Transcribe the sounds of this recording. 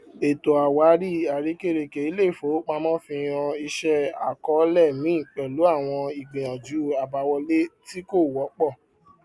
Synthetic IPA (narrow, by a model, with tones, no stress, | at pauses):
e˨to˨a˨wa˨˦ɾi˦˨a˨ɾi˨˦ke˦˨ɾe˨ke˨i˦le˦˨fo˨˦k͡pã˧mɔ̃˦fĩ˧j̃ã˧i˧ʃɛ˦a̰˨kɔ˨˦lɛ˦˨mĩ˨˦ĩ˦˨k͡pɛ˨lu˨˦a˦˨w̃ɔ̃˧i˨ɡ͡bẽ˨ã˨d͡ʒu˨˦a˨ba˧wɔ˧le˦ti˦ko˦˨wɔ˨˦k͡pɔ˦˨